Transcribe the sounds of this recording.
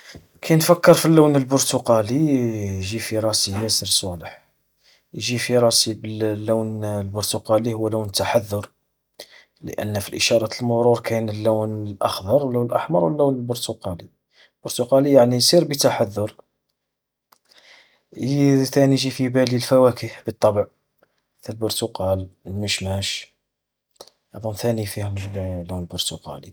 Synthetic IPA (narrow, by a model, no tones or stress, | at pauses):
kʰæjnfəkːəɾˤfilːuwnəlbʊɾt̪uqɑlijʒifiɾˤɑsijæsəɾsˤoləħ | jʒifiɾˤɑsibəllːuwnlbʊɾt̪uqɑlihʊwːluwnət̪ːaħaðːʊɾ | lə̰ʔə̰nːfilʔəʃɑɾˤɑt̪əlmʊɾuɾkʰænəlːuwnəlʔə̰xd̪ˤɑɾˤwlːunəlʔə̰ħmɑ̰ɾˤwəlːuwnəlbʊɾt̪ʊqɑli | lb̥ʊɾt̪ʊqɑlijaʕnisˤiɾbit̪aħaðːʊɾ | t̪æniʒifibælilfæwækəhbət̪ˤːɑbəʕ | θælbʊɾt̪uqɑləlməʃmæʃ | ɑd̪ˤʊmθænifihʊmlunəlbʊɾt̪ʊqɑ̰li